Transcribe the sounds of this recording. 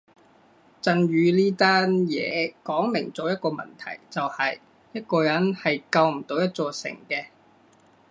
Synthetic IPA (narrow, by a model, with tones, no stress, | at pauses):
t͡sɐ˧nɥyː˨˧liː˥t̪aː˥njɛ̰ː˨˧kɔː˨˥ŋmɪ˨˩ŋt͡sɔː˨˥jɐ˥t̚kɔː˧mɐ̰˨nt̪ʰɐ̰˨˩jt͡sɐ˨whɐ˨j | jɐ˥t̚kɔː˧jɐ˨˥nhɐ˨jkɐ˧wm̩˨˩t̪o˨˧wjɐ˥t̚t͡sɔː˧sɪ̰˨˩ŋkɛː˧